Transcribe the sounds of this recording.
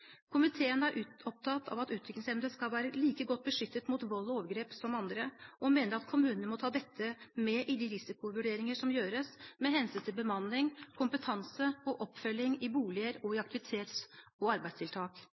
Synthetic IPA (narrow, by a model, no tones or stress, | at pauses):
kʰʊmɪt̪ʰeːənæɾʔʉːɔp̚t̪ʰɑt̪ːʰɑ̰ːʋɑt̪ʉːt̪ʰɾʏklɪŋsɛmd̪əskɑlʋæːɾəliːkəɡɔt̪̚ːbəʂʏt̪ːət̪mʊt̪ʋɔlːɔoːʋəɡɾeːpsɔmɑnd̪ɾəʔɔmeːnəɾɑt̪kʰʊmʉːnənəmɔt̪ʰɑːd̪ɛt̪ʰːəmɛʔɪd̪ɪɾɪsɪkʊʋʉɖeːɾɪŋəʂɔmjøːɾəsmɛɦɛnsyːnt̪ʰɪlbəmɑnːɪŋkʰʊmpət̪ʰɑnsəɔʔɔpːfœlːɪŋɪbuːlɪəɾɔɪɑkt̪ɪʋɪt̪ʰeːt̪sɔɑɾbæɪd̪st̪ʰɪlt̪ʰɑːk